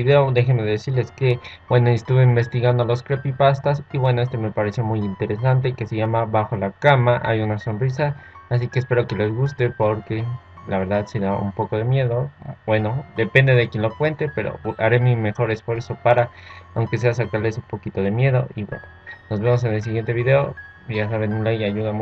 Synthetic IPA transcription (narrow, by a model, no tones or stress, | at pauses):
iðeod̪e̞xeme̞ðesiɾleske̞b̥we̞no̞est̪uβeimbe̞st̪iɣand̪olo̞skɾepipast̪asiβwe̞noest̪o̞me̞paɾesjo̞mujint̪e̞ɾe̞s̬ant̪̬e̞ke̞se̞ʝamaβaxo̞lakamaʔajunaso̞nris̬aːs̬ikeːspe̞ɾo̞ke̞lezɣust̪e̞po̞ɾke̞ | laβe̞ɾðaðse̞ðaṵmpo̞ko̞ð̞e̞mje̞ðo̞bwe̞no̞d̪e̞pe̞nd̪e̞ðe̞kjenlokwe̞nt̪e̞pe̞ɾo̰aɾe̞mime̞xo̞ɾe̞sfwe̞ɾso̞paɾaawŋke̞s̬e̞as̬akaɾle̞sumpo̞kit̪o̞ð̞e̞mje̞ð̞o̞ʔiβwḛnono̞zβe̞mo̞s̬enels̬iɣje̞nt̪e̞βiðe̞o̞ | ʝas̬aβe̞nunlajaʝuðam